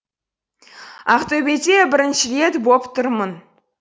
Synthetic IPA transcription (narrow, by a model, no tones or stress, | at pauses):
ɑχt̪øbʲet̪ʲebʲɪ̆ɾʲɘ̆nʲʃɘrʲet̪bopt̪ɤrmɤ̆n